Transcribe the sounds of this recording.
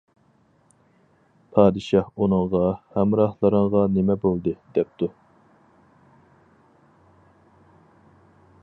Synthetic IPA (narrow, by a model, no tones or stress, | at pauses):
pʰɑːd̪ɨʃɑhunɨŋʁɑhɛmɾɑhlˠəɾəɴʁɑnemɛbolˠd̪ɨd̪ɛp̚t̪ʰu